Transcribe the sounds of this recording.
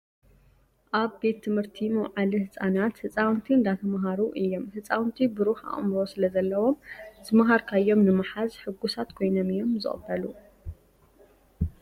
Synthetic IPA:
ʔaβbe̞t̪ʰːɨmhɨɾt̪ʰimɐwʕalihɨt͡sʼanat̪hɨt͡sʼawnt̪ʰiɨnd̪at̪ʰɐmɦaɾuʔɨjːo̞mhɨt͡sʼawnt̪ʰibɨɾuħa̰χʼmɾo̞sɨlɐzɐlːɐwo̞mzɨmaɦaɾkʰajːo̞mnɨmaħazħɨɡːusat̪kʰo̞jnomɨjːo̞mzɨ̰χʼbːɐlu

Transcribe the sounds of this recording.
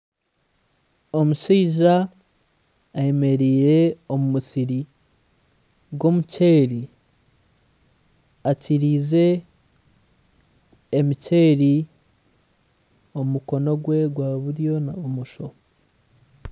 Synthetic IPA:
o̞muʃiːʒa | je̞me̞ɾiɾe̞o̞mumusiɾi | ɡwo̞muce̞ːɾi | aciɾize̞ | mice̞ːɾi | o̞mumuko̞no̞ɡwe̞ɡwaβuɾjo̞naβomuʃo̞

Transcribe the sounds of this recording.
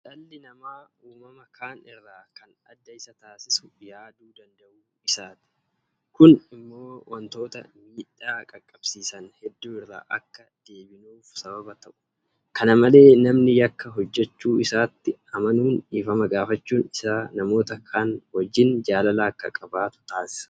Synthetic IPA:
t͡ʃʼɐlːɪnɐmaːuːmɐmɐkʰaːnɪrːaːkɐnɐd̪ːɐɪsɐt̪aːsɪsʊ̥jaːd̪uːd̪ɐnd̪ɐʔuː | ɪsaːt̪ɪ̥ | kʊnɪmːo̞ːwʔɐnt̪o̞ːt̪ɐmiːᶑaːkʼɐkʼːɐb̥siːsɐnhɛd̪ːuːɪrːa̰ːʔɐkːɐd̪̥e̞ːbɪnuːfsɐbɐbɐt̪ɐʔʊ̥ | kɐnɐmɐle̞ːnɐmnɪjɐkːɐɦɔd͡ʒːɛt͡ʃːuːɪsaːt̪ːɪɐmɐnuːniːfɐmɐɡaːfɐt͡ʃːuːnɪsaːnɐmo̞ːt̪ɐkʰaːnwɐd͡ʒːɪnd͡ʒaːlɐlaːkːɐ̰kʼɐbaːt̪ʊ̥t̪aːsɪ̥sɐ̥

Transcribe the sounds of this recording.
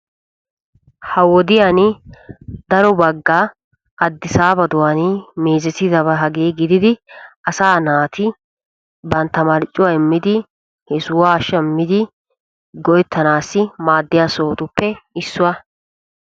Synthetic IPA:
hɐwɔd̪ɪjan | d̪ɐɾɔbɐɡːa | ɐd̪ːɪsaːbɐd̪ʊwanɪmeːzɛsɪd̪ɐbɐɦɐɡeːɡɪd̪ɪd̪ɪɐsaːnaːt̪ɪ | bɐnt̪ːɐmɐɾɪt͡ʃʼːʊwaɛmːɪd̪ɪ | hɛsʊwaːʃɐmːɪd̪ɪ | ɡɔʔɛt̪ʰːɐnaːsːɪmaːd̪ːɪjaːso̞ːt̪ʊpːɛɪsːʊwɐ

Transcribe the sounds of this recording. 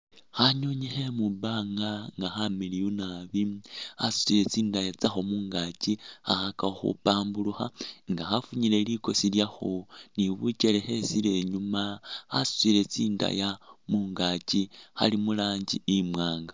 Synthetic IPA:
xaɲo̞ɲexe̞mubaːŋɡaŋɡaxamilijunaβiasu̥t͡sile̞t͡siːndajat͡saxomuːŋɡacixa̰xakaoxṵpaːmbuluxaŋɡaxafuɲile̞liko̞siljaxoniβuce̞le̞xe̞sile̞ɲumaa̰su̥t͡sile̞t͡siːnda̰jamuːŋɡacixa̰limulaːɲɟiimwaːŋɡa

